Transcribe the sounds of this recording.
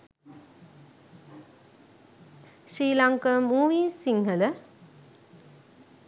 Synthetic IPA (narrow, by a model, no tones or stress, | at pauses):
ʃɾiːlaŋkəmuːʋiːsiŋhələ